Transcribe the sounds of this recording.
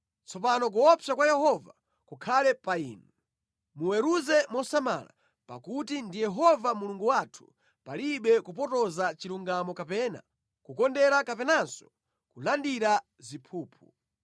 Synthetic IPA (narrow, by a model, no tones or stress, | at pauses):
t͡sʰɔp̬anɔk̬uɔpakwajɛɦɔva | kukʰalɛpaiːnu | muwɛɾuzɛmɔsama̰la̰ | pa̰kutindijɛɦɔvamuluŋɡuwatʰu̥ | paliɓɛkupɔtɔzat͡ʃiɾuŋɡamɔkapɛːna̰ | kukɔndɛɾakapɛnansɔ̥ | kulandiɾa | zipʰuːpʰu